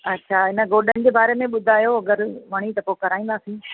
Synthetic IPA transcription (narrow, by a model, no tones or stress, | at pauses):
ɐtːɕʰaɪnə̆ɡoːɗənɪ̆d͡ʑeːbaːɾemẽɓʊd̪ʱaːjoɐɡəɾʋɐɽ̃it̪ɐpokɐɾaːĩːnd̪aːsĩː